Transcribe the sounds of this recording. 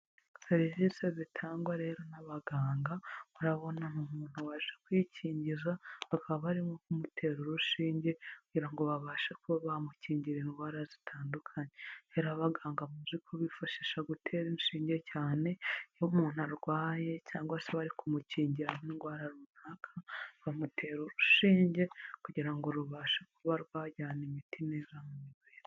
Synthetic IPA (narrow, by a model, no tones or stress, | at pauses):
seɾiziːsezitʰaːŋɡwaɾe̞ːɾo̞naβaɡaːŋɡauɾaβo̞nanumuːn̥huwaʃʃekwicʰiːɲɟizaβakʰaβaβaɾimokumutʰe̞ːɾuɾuʃiːɲɟe̞kuɟiɾaŋɡo̞βaβaːʃakuβaβamuciːɲɟiɾeŋɡwaːɾazitʰaːndukʰaɲeheɾaβaɡaːŋɡamuzikʰuβifaʃeʃaɡutʰe̞ɾinʃiːɲɟe̞caːne̞jomuːn̥haɾɡwaːje̞caːŋɡwasaβaɾikumuciːɲɟiɾamiŋɡwaːɾaɾuunakʰaβamutʰe̞ɾuɾuʃiːɲɟe̞kuɟiɾaŋɡoɾuβaːʃakuβaɾɡwaːɟaːnimitinezamumiβeːɾe